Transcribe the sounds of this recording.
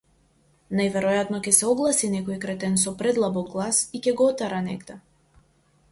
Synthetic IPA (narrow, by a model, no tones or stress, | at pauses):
najvɛɾɔjat̪nɔcʲɛsɛɔɡlˠasinɛkɔikɾɛt̪ɛnsɔpɾɛd̪lˠabɔɡɡlˠasicʲɛɡɔɔt̪aɾanɛ̰ɡd̪ɛ